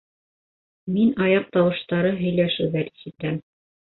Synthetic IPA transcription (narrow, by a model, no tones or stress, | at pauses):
minɑjɑq̚t̪ɑwɤ̆ʃt̪ɑɾɤɦɵ̆jlæʃɘwðæɾisɘt̪æm